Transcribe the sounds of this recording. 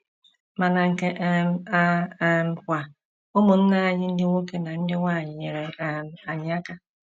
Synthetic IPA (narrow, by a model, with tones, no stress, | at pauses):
ma˨na˨ŋ̩˨ke˦ʔm˦a˦m̩˨kʷa˨ | ʊ˦mʊ˨n̩˦na˦a˨ɲɪ˦n̩˦dɪ˦ŋʷo˦ke˦na˨n̩˦dɪ˦ŋʷaː˦˨ɲɪ˨ɲe˨ɾe˨a˨a˨ɲɪ˨a˦ka˦